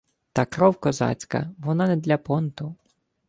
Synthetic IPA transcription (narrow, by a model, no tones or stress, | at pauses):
t̪ɐkɾɔwkɔzɑ̰t͡sʲkɐ̰ʋɔnɑnɛd̪lʲɐpɔnt̪ʊ